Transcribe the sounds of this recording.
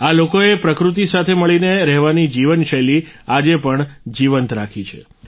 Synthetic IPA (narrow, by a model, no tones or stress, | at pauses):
alokoepɾəkɾut̪̬isat̪ʰeməɭineɾɛɦʋanid͡ʒiʋənʃəliad͡ʒepəɳd͡ʒiʋənt̪ɾakʰit͡ʃʰḛ